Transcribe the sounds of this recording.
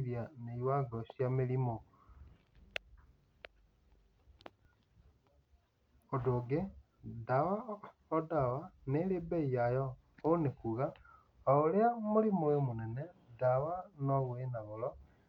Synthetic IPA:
ɾianeiwaɡɔʃjamelimo | odoɡe | dawa | odawanelebeijajɔ | onekuɣa | ooleamolimoemonɛnedawanoβwenaɣolɔ

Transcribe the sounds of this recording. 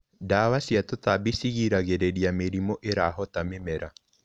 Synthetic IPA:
daːwasiatotabisiɣiɾaɣeɾeɾiameɾimoʔeɾaɦɔtamemɛɾa

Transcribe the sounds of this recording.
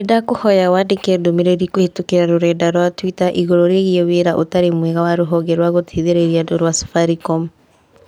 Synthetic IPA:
edakohɔjawaːdekɛdomeɾeɾikohetokeɾaɾoɾɛːdaɾwatwitaʔiɣoɾoɾeɣiɛweːɾaʔo̰taɾemwɛɣawaɾoɦɔɡɛɾwaɣotʰiðeɾeɾiadoɾwasu̥faɾikɔm

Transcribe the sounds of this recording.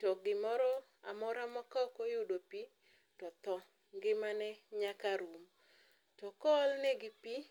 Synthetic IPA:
tɔɡɪmɔɾɔ | amɔɾamɔkɔkɔjʊdopi | tɔt̪ɔ | ŋɡɪmanɛɲakaɾum | tɔkɔlneɡɪpi

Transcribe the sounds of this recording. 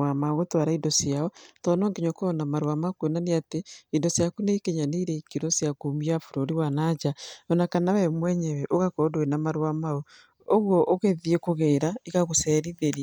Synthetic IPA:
amaɣotwaɾaidɔsjaɔtɔnɔːŋɡeɲɔkɔnamaɾwamakuenaneateidɔsjakuneikeɲaneiɾɛikiɾɔsijakumiafuɾoɾiwanad͡ʒaɔnakanawɛmwɛɲɛwɛʔoɣakɔdoenamaɾwamaɔ | oɣwɔʔoɣeðiekoɣeːɾaiɣaɣosɛɾiðeɾi

